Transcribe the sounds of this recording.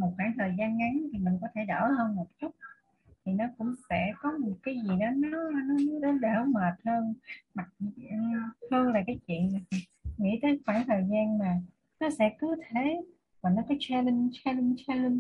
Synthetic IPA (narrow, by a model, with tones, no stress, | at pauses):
mo˨˩t̚xwaː˧˩ŋt̪ʰəː˨˩jzaː˧nŋa˨˦ŋt̪ʰi˨˩mï˨˩ŋ̟kɔ˨˦t̪ʰe˧˩ɗə̰ː˧˩həː˧nmo˨˩t͡ɕʊ˦˥k͡p̚ | t̪ʰi˨˩nɔ˨˦kʊ̰˧˥ŋ͡msɛ̰˧˥kɔ˨˦mo˨˩t̚kaː˨˦jzi˨˩ɗɔ˨˦nɔ˨˦nɔ˨˦ɲ˧˨˧ɗ̪ə˨˦ɗəː˧˩məː˨˩t̚həː˧nma˨˩t̚ː | h̪ʰɨ˧əŋlaː˨˩kaː˨˦jt͡ɕwḭ˧˨ən˨˩ | ŋḭ˧˥t̪əː˨˦jxwaː˧˩ŋt̪ʰəː˨˩jzaː˧nmaː˨˩ | nɔ˨˦sɛ̰˧˥kɨ˨˦t̪ʰe˧˩ | vaː˨˩nɔ˨˦kɔː˨˦jt͡ɕa˧lə˧nt͡ɕa˧lə˧nt͡ɕa˧lə˧n